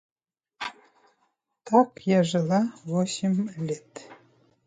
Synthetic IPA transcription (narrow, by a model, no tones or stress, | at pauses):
t̪ɑkjɑʒə̆lɑβosʲimlʲet̪